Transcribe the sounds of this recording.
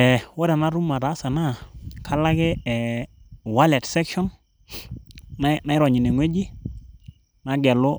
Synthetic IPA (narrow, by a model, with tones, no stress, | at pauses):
ɛ˨wo˦ɾa˨na˦ɾu˦ma˨ɾa˨˦sa˨na˦˨kʰa˦la˦kɪ˦ɛ˨wa˦lɛ˨tsɛ˦kʃɔ˦n | a˦na˦ɪ˦ɾɔ˨ɲi˨ne˨ŋwe˦d͡ʒi˦ | na˦ɡɛ˨lʊ˦